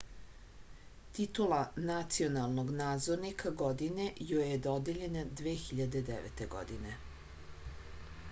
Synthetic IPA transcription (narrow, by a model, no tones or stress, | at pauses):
t̪it̪ulanat̪sionalˠno̞ɡnaːd̪zoɾnikʰaɡod̪inejojed̪od̪eʎened̪ʋeːxiʎad̪e̞d̪eʋḛt̪eɡo̰d̪ine